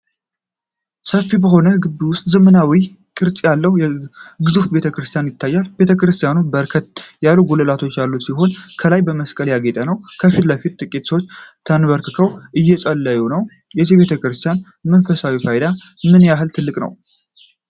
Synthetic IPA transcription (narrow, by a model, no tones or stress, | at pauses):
səfːibəɦo̞nəɡɨbːiwʊst̪ʼzəmənawi | kʼɨɾt͡ʃʼjalːəhjɛɡɨzufbe̞t̪ʰəkɾɨst̪ʰijanjɪt̪ʰːajːalb̥e̞t̪ʰəkɾɨst̪ʰijanubəɾkʰət̪jalːuɡoləlat̪ʰo̞t͡ʃːjalːut̪siɦo̞nkʰəlajbəməskʼəljaɡet̪ʼənəwkʰəfit̪lafit̪t̪ʼɨkʼit̪səwot͡ʃːt̪ʰənβəɾkɨkʰəwʔɨjːɛsʼəlːəjunəw | jɛziβe̞t̪ʰəkɾɨst̪ʰijan | mənfəsawifʰajd̪amɨnjaɦɨlt̪ʰɨlːɨkʼnə̰w